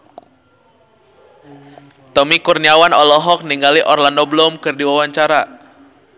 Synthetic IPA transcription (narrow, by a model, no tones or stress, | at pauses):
t̪ɔmikurniawanɔlɔɦɔk̚niŋɡaliʔɔrlandɔblɔmkɨrdiwawaɲt͡ʃaɾa